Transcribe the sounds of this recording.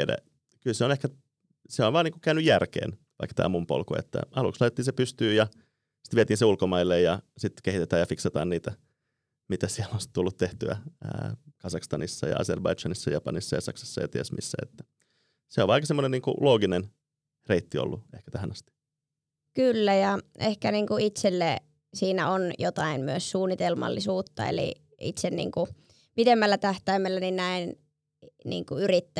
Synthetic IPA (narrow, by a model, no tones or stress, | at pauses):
dæ̰ | kylseonehkæ | seonʋɑːniːŋkukæynyjærkḛːn | ʋɑ̰ikːt̪æ̰ːmumpo̰lkoḛt̪ːæ̰ɑlṵkslɑit̪et̪ːiːnsepyst̪yːjɑ | si̥t̪ʋiet̪iːnseulkomɑilːejjɑsit̪kehit̪et̪æːjɑfiksɑt̪ɑ̰ːnniːt̪æ | mit̪æsiɛlːonst̪t̪ulːut̪t̪eht̪yæ̰ə̰ːkɑsɑkst̪ɑnisːɑ̰jɑ̰ɑ̰serbɑit͡ʃɑnisːɑjɑpɑnisːɑjɑsɑ̰ksɑ̥sːɑjɑt̪iæsmḭsːæ̰ːḛt̪ːæ̥ | seo̰ʋɑikɑsemːoneniːŋkṵloːɡinen | reit̪ːio̰lːuehkæ̥t̪æhænɑst̪i̥ | kylːæjɑʔehkæniːŋkuit̪selːe | siːnæonjot̪ɑinmyøssuːnːit̪elmɑ̰lːisuːt̪ːɑ̰ḛlḭ | ḭt̪sennḭːŋku | pid̪emːælːæt̪æht̪æimːelːæninnæin | nḭːŋkuyrit̪ːæ